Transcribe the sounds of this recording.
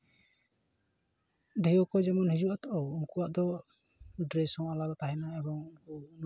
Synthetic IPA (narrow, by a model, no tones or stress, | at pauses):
ɖɛjɔkɔd͡ʒɛmɔnhid͡ʒuʔat̪ɔʔɔunkuwaʔd̪ɔ | ɖɾɛsɔŋalad̪ɔt̪aɦɛnaɛbɔŋunkun